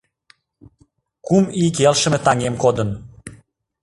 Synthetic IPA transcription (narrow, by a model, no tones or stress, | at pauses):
kumik̬elʃə̆met̪ɑŋemkod̪ən